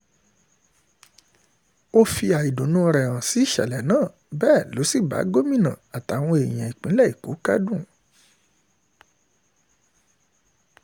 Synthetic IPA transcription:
o˦fi˧a˨i˨do˨nũ˦˧ɾɛ̃˨ã˨si˨˦i˦ʃɛ̰˨lɛ˨nãː˦˨ | bɛː˦˨lo˨˦si˦˨ba̰˨˦ɡo˦mĩ˦˨nã̰˨a˨ta˨˦˨w̃ɔ̃˧e˨j̃ã˨i˨k͡pĩ˨˦lɛ˦˨i˨ko˨˦ka̰˦dũ˦˨

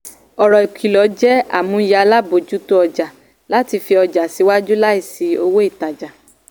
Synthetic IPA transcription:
ɔ˨ɾɔ˨i˨kʷi˨lɔ˨˦d͡ʒɛ˦a̰˨mũ˨˦ja˨˧la˦bo˨d͡ʒu˨˦to˦ɔ˧d͡ʒa˨ | la˦ti˧fi˧ɔ˧d͡ʒa˨si˨˧˦wa˦d͡ʒu˦la˦i˦˨si˨˦o̰˧wo˦i˦˨ta˨d͡ʒa˨

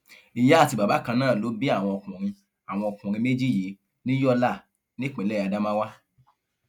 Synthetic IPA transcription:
i˨ja˨˦a˦˨ti˧˨ba˨ba˨˦kã˧nãː˦˨lo˨˦bi˦a˦˨w̃ɔ̃˧ɔ˧kũ˨ɾ̃ĩ˧ | a˨w̃ɔ̃˧ɔ˧kũ˨ɾ̃ĩ˧me˦d͡ʒi˦˨ji˨˦ | nĩ˦jɔ˦la˦˨ | nĩ˦k͡pɛ˨lɛ˦˨a˧da˦mã˦wa˦

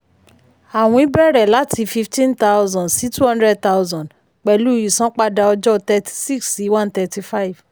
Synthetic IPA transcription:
a˨w̃ɔ̃˧i˦bɾɛ˦˨ɾɛ˨la˨˦tʰi˧fi˧ftĩ˦nta˦wzɔ̃˨si˨˦tu˦hɔ̃˦ndɾɛ˦˨d̚t̪a˦wzɔ̃˨d | k͡pɛ˨lu˦˨ji˨sɔ̃˦k͡pa˧da˧ɔ˧d͡ʒɔ˦t̪ɛ˧ti̥˧si˦ksi˨˦wã˦nt̪ɛ˧ti˧fa˦i˨v̥

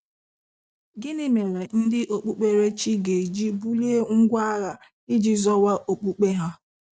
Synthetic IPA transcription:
ɡɪ˦nɪ˦me˨ɾe˨n̩˦dɪ˦ʔo˨k͡pu˦k͡pe˦ɾe˦t͡ʃi˦ɡe˨d͡ʒi˦bu˦li˦e˦ŋ̩˦ɡʷa˦ɾa˨ | i˦d͡ʒi˦zɔ˦wa˦ʔo˨k͡pu˦k͡pe˦ɦa˦

